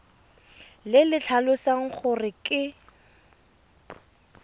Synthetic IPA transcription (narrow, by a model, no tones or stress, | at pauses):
lɪlɪt͡ɬʰalʊsaŋ̩k͡xʰʊrɪkʼɪ